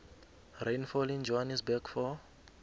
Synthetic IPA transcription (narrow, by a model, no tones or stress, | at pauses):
rejnfɔlind͡ʒɔɦanisbɛkfɔ